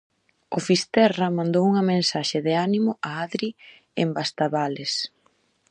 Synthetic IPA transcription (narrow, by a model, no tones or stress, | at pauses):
ʊfist̪ɛrɐmãnd̪owuŋɐmẽnsaʃɪðɪanimʊʔaaðɾi | embast̪aβales